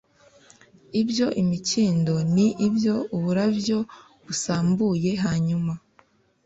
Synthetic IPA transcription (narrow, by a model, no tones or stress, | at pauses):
ibjo̞ʔimiciːndo̞niʔibjo̞uβuɾabjo̞ | βusaːmbuːje̞ɦaːɲuma